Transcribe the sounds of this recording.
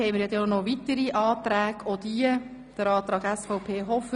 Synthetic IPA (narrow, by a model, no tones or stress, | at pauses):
ɛɪməɾjɑd̪ɛnɔʋit̪əɾiʔɑːt̪ɾæːɡɔd̥̪iə | d̥əɾɑːt̪ɾɑːɡɛsfɔʊpʰeːɦɔfə